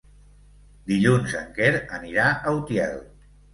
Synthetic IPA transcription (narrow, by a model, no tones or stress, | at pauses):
d̪iʎunzəŋkeɾəniɾaʔəut̪jɛ̰lˠ